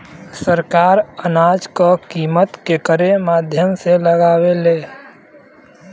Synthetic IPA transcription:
səɾkaːɾənaːd͡ʒkəkiːmət̪kekəɾemaːd̪ʱjəmseləɡaːweleː

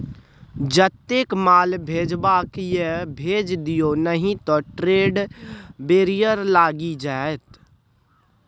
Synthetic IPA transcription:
d͡ʒət̪ːeːkmaːlbʱeːd͡ʒbaːkjebʱeːd͡ʒd̪ijonəɦĩt̪ɔʈɾeːɖbeːɾijəɾlaːɡid͡ʒaːet̪

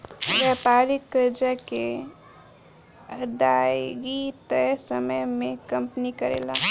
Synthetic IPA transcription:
ʋɛpaːlikːəɾd͡ʒake | əd̪ajɡit̪səməjmẽkəmpnikəɾḛːla

